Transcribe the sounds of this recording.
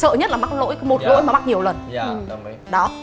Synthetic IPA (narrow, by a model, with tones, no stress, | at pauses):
sə̰ː˧˨ɲə˦˥t̚laː˨˩ɓa˦˥k̚lo̰˧˥jmo˨˩t̚lo̰˧˥jma˨˩ɓa˦˥k̚ɲi˨˩əwlə˨˩nʔɨ˨˩ | ɗɔ˨˦